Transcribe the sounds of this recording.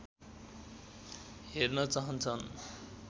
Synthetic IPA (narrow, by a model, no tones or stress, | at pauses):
ɦeɾnʌt͡saɦʌnt͡sʰʌn